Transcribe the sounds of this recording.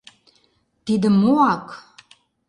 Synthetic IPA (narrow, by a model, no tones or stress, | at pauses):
t̪id̪ə̆mːoɑk